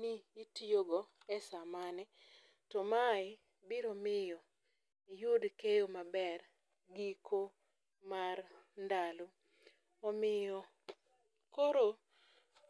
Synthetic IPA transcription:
niitijoɡɔɛsamanɛ | tɔmaɪ | bɪɾɔmɪjɔ | ijudkejomabɛr | ɡikʰo | marndalo | ɔmɪjɔ | koɾo

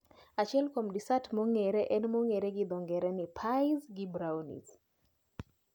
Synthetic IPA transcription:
at͡ʃiɛlkomdisatmɔŋɛɾɛʔɛnmɔŋɛɾɛɡɪd̪ɔŋɡɛɾɛnɪpʰajzɡibɾawnḭs

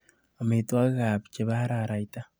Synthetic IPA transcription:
ameitwaɣɣaβit͡ʃeβaaɾaɾaita

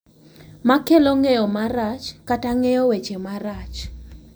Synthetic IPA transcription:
makeloŋejɔmaɾat͡ʃkataŋejɔwet͡ʃemaɾat͡ʃ

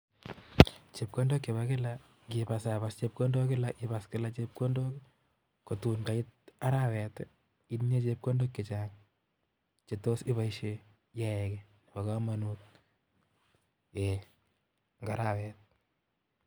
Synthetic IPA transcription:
t͡ʃep̚kondokːeβakɪla | kɪpasaβast͡ʃep̚kondokɪlaʔɪbaskɪlat͡ʃep̚kondok | kotunkaɪt̚aɾawɛt | inɲet͡ʃep̚kondokːet͡ʃaːŋ | t͡ʃetosɪβaiʃe | jaɛkɛ | pakamanut̚ | e | ŋɡaɾawɛːt̚

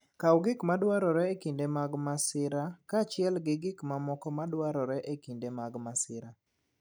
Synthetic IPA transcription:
kawɡɪkmadwaɾɔɾɛekindemaɡmasɪɾakat͡ʃɪɛlɡɪɡɪkmamɔkɔmadwaɾɔɾɛʔekindemaɡmasɪɾa

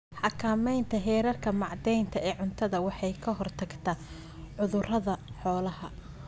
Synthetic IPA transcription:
ħɑkʰaːmɛjnt̪ʰɐɦɛːɾɐrkʰɐmɑʕd̪ɛjnt̪ʰɐɛːʕʊnt̪ʰɐðɐwɑħɑjkʰɐɦɔrt̪ʰɐɡt̪ʰɐ | ʕʊðʊrɐðɐħɔːlɐɦɐ

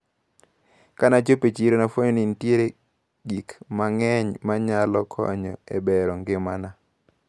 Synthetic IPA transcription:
kanad͡ʒopet͡ʃiɾonafwoɲonintjeɾe | ɡikmaŋɛɲmaɲalɔkʰɔ̰ɲɔ̰ebɛɾɔŋɡɪmana

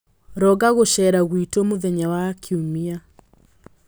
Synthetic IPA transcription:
ɾɔɣaɣoʃɛɾaɣwitomoðɛɲawakʰiumia

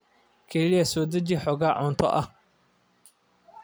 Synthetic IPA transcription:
kʰɛlɪjɐsɔːd̪ɐt͡ʃɪħɔːɣaːʕʊnt̪ʰɔ̰ʔɐh

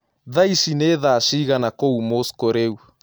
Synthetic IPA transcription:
ðaiʃineðaʃiɣanakoumoskoɾeu

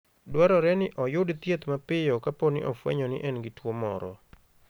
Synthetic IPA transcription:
dwaɾɔɾɛnɪʔɔjʊdt̪jet̪mapɪjɔkaponɪ̰ʔɔfwɛ̰ɲɔnɪ̰ʔɛnɡɪtwomɔ̰ɾɔ̰

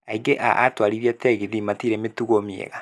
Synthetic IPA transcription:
aiɡeʔa̰ʔatwaɾiɾiatɛɣiðimatiɾemetuɣomiḛɣa

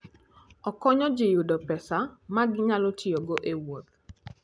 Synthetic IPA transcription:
ɔkɔɲɔd͡ʒɪjʊdɔpɛsamaɡɪɲalɔtʰijoɡoʔewot̪̚

